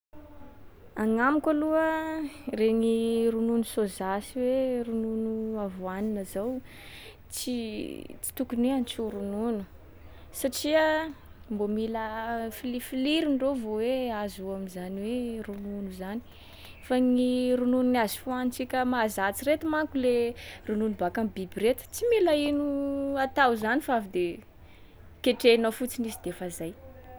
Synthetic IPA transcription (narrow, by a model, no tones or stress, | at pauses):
aŋamikʲaluəreŋiɾununusozasiwerununuavuaninazaw | t͡sit͡si̥t̪ukuniant͡suɾununu̥ | saʈ͡ʂiə | mbomiləfilifiliɾiɳɖ͡ʐovoweazuamizaniwerununuzani̥ | faŋiɾunununiazi̥foanit͡sikʲəmazat͡siɾet̪imaŋkulerununubakambibiɾet̪ə̥t͡similainuat̪awzanifavid̪e | keʈ͡ʂeanofut͡sinisid̪efazaj